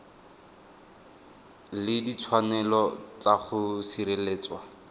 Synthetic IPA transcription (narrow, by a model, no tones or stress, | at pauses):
lɪdit͡sʰwanɛlɔt͡saχʊsiɾeleːt͡swa